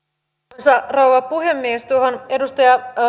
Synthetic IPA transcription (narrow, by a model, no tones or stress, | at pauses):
sɑrouʋɑpuɦe̞mːiest̪uoɦonedust̪ɑjɑ